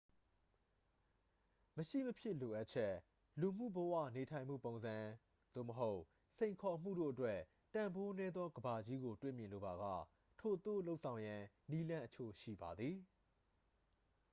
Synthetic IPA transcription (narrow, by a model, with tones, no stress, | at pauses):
məʃḭ˦˨məpʰjɪ˦˨lo˨ʔa˦t̚t͡ɕʰɛ˦ | lu˨m̥ṵ˦˨bə˨wä̰˦˨ne˨tʰã˨ɪ̃m̥ṵ˦˨põ˨ʊ̃nzã˨ | d̪̥o̰˦˨məɦo˦ʊʔ | sʰẽ˨ɪ̃ŋkʰɔ˨m̥ṵ˦˨do̰˦˨ʔətwɛ˦ | tã˨mbo˦nɛ˦d̪ðɔ˦ɡəba˨d͡ʑi˦ɡo˨twḛ˦˨mjɪ̃˨lo˨ba˨ɡä̰˦˨ | tʰo˨t̪o̰˦˨lo˦ʊʔsʰã˨ʊ̃jã˨ | ni˦lã˦ʔə˦t͡ɕʰo̰˦˨ʃḭ˦˨ba˨d̪ði˨